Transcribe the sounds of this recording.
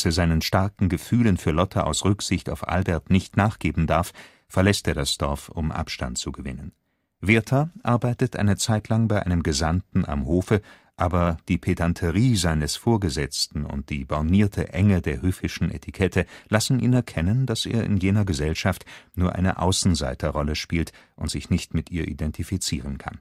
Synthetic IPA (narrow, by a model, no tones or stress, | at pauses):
aseːɐzaɪnənʃtaɐkŋ̩ɡəfyːlənfyːɐlɔtʰəʔa̰ʊsʁʏkz̥ɪçta̰ʊfʔa̰lbɛɐtnɪçtnaːχɡ̥eːbm̩daɐf | fɛɐlɛsteːɐdasd̥ɔɐfʊmʔa̰pʃta̰nt̚t͡suɡəvɪ̰nən | veɐtʰɐʔaɐbaɪtətʔa̰ɪnət͡saɪtʰlaŋbaɪʔa̰ɪnəmɡəzantn̩a̰mhoːfə | ʔaːbɐd̥iːpʰedantʰəʁiːzaɪnəsfoːɐɡəzɛt͡stn̩ʊ̰nt̚d̥ḭːbaʊniːɐtʰəʔɛŋədeːɐhøːfɪʃn̩ʔḛtʰikʰɛtʰəlasn̩ʔḭːnɛɐkʰɛnənd̥asʔḛːɐʔɪ̰njeːnɐɡəzɛlʃaftnuːɐʔa̰ɪnə̰ʔa̰ʊsn̩za̰ɪtʰɐʁɔləʃpiːltʔʊntz̥ɪçnɪçtmɪtʔiːɐʔḭdɛntʰifit͡siːʁ̞ənkʰa̰n